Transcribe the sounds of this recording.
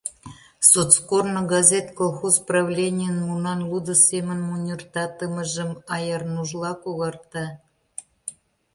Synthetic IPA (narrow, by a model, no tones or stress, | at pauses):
sot̪skornŏɡɑzʲet̪kolˠxozprɑvlʲenʲijənmunɑnlˠud̪ə̆sʲemənmunʲərt̪ɑt̪əmə̆ʒə̆mɑjɑrnuʒlˠɑkoɣɑrt̪ɑ